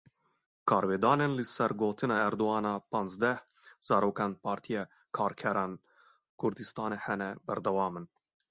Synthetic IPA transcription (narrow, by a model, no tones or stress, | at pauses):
kʰɑːɾveːd̪ɑːnenlɨsɛɾɡoːt̪ʰɨnɑːɛɾd̪oɑːnɑːpɑːnzd̪ɛh | z̥ɑːɾoːkɑnpʰɑːɾt̪ʰijɛː | kʰɑːɾkʰɛɾɑːn | kʰʊɾd̪ɨst̪ɑːnehɛnɛbɛɾd̪ɛwɑːmɨn